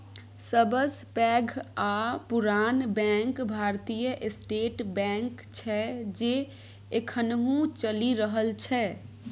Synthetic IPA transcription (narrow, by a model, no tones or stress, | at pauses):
səbəspɛɡʱapuɾanbɛ̃ŋkbʱaɾt̪ijəʔesʈeʈbɛ̃ŋk | t͡ʃʰɛd͡ʒe | ekʰənɦũt͡ʃəliɾəɦəlt͡ʃʰɛ